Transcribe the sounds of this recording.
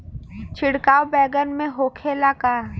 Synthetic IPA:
t͡ʃʰɪɽkaːwbɛːɡənmẽɦoːkʰeːlakaː

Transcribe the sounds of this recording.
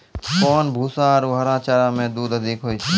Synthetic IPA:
koːnbʱuːsãːɾuːɦəɾãːt͡ʃaːɾãːmẽːd̪uːd̪ɦəd̪ʱikɦoːiː

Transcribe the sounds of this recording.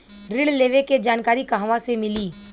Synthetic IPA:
ɾɪɽleːʋeked͡ʒaːnkaːɾikaɦʋãsemɪliː

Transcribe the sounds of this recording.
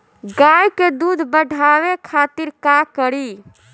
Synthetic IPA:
ɡajked̪ud̪ʱbəɖʱaʋekʰat̪iɾkakəɾi

